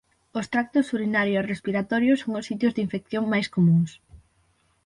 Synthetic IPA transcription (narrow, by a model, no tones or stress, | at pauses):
ost̪ɾak̚t̪ʊsuɾinaɾjoerespiɾat̪ɔɾjʊsːoŋʊsːit̪jozðiɱfekθjoŋmajskomũŋs